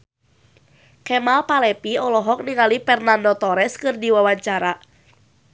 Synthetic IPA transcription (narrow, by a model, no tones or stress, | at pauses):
kɛmalpalɛpiɔlɔɦɔk̚niŋalipɛrnandɔt̪ɔɾɛskɨrdiwawaɲt͡ʃaɾa